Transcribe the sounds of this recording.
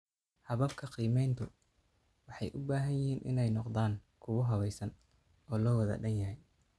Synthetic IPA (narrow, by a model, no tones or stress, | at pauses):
hɐβɐbkʰɐqiːmɛjnt̪ʰʊ | wɑħɑjʔʊbaːɦɐnjɪhiːnʔɪ̰nɛjnɔqd̪aːŋkʰʊwʊɦɐβɛjsɐn | ɔːlɔːwɐðɐ̰ɖɐnjɐɦɛj